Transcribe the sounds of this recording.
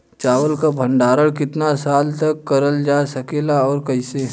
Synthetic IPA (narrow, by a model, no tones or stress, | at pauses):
t͡ʃaːʋəlkabʱə̃ɳɖaːɾəɽkɪt̪nasaːlt̪ɐkːɐɾəld͡ʒaːsɐkeːlaɔːɾkɐise